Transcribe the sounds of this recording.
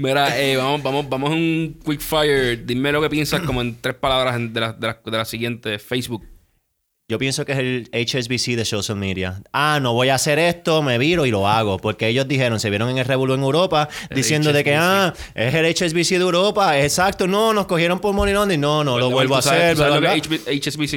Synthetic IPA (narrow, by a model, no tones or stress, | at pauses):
meɾaeβamobamobamosuŋkwikfajeɾd̪imːelo̞ke̞pjensakkomoent̪ɾehpalaβɾasend̪elad̪elad̪elasiɣjent̪efejsbuk̚ | d͡ʒo̞pje̞nso̞keselet͡ʃesbisiðe̞sowsalmiðja̰ano̞βo̞jaːse̞ɾe̞st̪o̞me̞βiɾo̞ilo̞aɣo̞po̞ɾkeeʝo̞zd̪iɦe̞ɾo̞ŋse̞βje̞ɾo̞ŋe̞ŋelreβolueŋewɾo̞pad̪isje̞nd̪oðe̞kea | e̞selet͡ʃes̬βisiðewɾo̞paesesak̚t̪ono̞no̞sko̞hje̞ɾo̞mpoɾmonilond̪inonoloββwelβoaseɾweβoket͡ʃsisi